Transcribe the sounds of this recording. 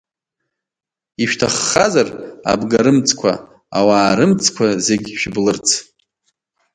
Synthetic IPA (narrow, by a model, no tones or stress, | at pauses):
iʃᶣtʰaχːazara̰bɡaɾɨmt͡sʰkʷʰa̰ | a̰waːɾɨmt͡sʰkʷʰazeɡʲʃᶣblɨrt͡sʰ